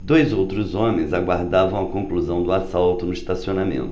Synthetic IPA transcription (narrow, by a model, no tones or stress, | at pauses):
d̪ojzowt̪ɾʊzõmẽj̃zaɡwaɾd̪avɐ̃w̃ɐkõkluzɐ̃w̃d̪ʊasalt̪ʊnʊist̪asionamḛ̃nt̪ʊ̥